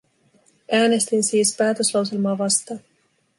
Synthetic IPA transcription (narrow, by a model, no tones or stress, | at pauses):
ʔæːne̞st̪insiːspæːt̪øslɑwse̞lmɑːʋɑst̪ɑː